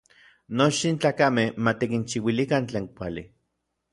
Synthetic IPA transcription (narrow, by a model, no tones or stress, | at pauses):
not͡ʃtint͡ɬaːkamehmat̪ikint͡ʃiwilikant͡ɬeːŋkʷali